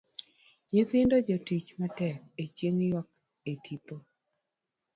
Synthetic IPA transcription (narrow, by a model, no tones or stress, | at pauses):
ɲɪθɪndɔd͡ʒotit͡ʃmatɛk̚et͡ʃjeŋjɔk | etʰito